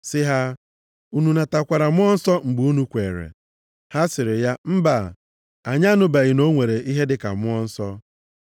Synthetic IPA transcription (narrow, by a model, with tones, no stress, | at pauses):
sɪ˦ɦa˦ | u˦nu˨na˨ta˨kʷa˨ɾa˨mʊ˦ɔ˦n̩˦sɔ˦ŋ͡m̩˨ɡ͡bu˨˦u˦nu˦kʷe˨ɾḛ˨ | ha˦sɪ˨ɾɪ˨ja˦m̩˦ba̰˨ | a˨ɲa˦nʊ˦ba˨ɣɪ˨no˦ŋʷe˨ɾe˨ʔi˦ɦe˦dɪ˦ka̰˨mʊ˦ɔ˦n̩˦sɔ˦